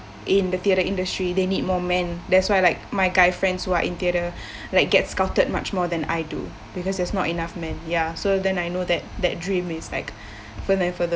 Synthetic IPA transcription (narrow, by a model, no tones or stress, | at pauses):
ʔɪ̃nd̪ət̪iəɾəʔĩndəstɹidenid̚mɔmɛ̃nd̪ɛtswajlaɪk̚majɡaɪfɹɛ̃ndshuaʔḭ̃nt̪iəɾə | laɪk̚ɡɛtskaʊtəd̚ma̰t͡ʃmɔd̪ɛ̃na̰jdṵ | bikɔsdɛsnɔtinafmɛ̃njasod̪ɛ̃najnod̪ɛt̚d̪ɛt̚dɹĩmɪsla̰ɪk | fədɛ̃nfəðə